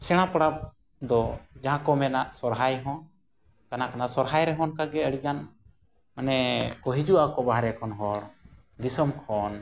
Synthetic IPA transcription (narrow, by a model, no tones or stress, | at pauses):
sɛɽ̃ãpɽap̚ | d̪ɔd͡ʒaɦãkɔmɛnaʔsɔɾɦajɦɔ̃n | kanakanasɔɾɦajɾɛɦɔnkaɡɛəɽiɡan | manɛkɔɦid͡ʒuakɔbaɦaɾɛkʰɔnɦɔɽ | d̪isɔmkʰɔn